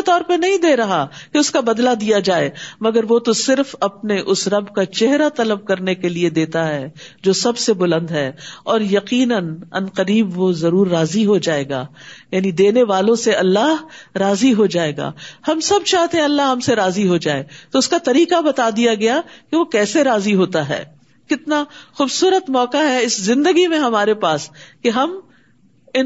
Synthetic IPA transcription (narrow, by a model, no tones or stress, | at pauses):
et̪ɔːɾpɐɾnɐɦĩd̪eːɾɐɦakeʊskabɐd̪lad̪ijad͡ʒaːeːmɐɡəɾʋot̪osɪɾfɐpneʔʊsɾɐbkat͡ʃɛɦɾat̪ɐləb̚kɐɾnekelied̪eːt̪aɦɛː | d͡ʒoːsɐbsebʊlə̃nd̪ɦɛːɔːɾjɐqiːnənɐ̰nqɐɾiːbʋozɐɾuːɾːaːziɦod͡ʒaːeːɡa̰ːjaːnid̪eːneʋaːlõseɐlːaɦɾaːziɦod͡ʒaːeːɡa̰ːhɐmsɐbt͡ʃaːɦt̪eɦɛ̃ɐlːaɦɐmseɾaːziɦod͡ʒaːeːt̪oʊskat̪ɐɾiːqabɐt̪ad̪ijaɡɐjakeʋokɛːseɾaːziɦoːt̪aɦɛ̰ː | kɪt̪naxʊːbsuːɾət̪mɔːkaɦɛɪszɪ̃nd̪əɡimẽɦɐmaːɾepaːskeɦɐm | ɪn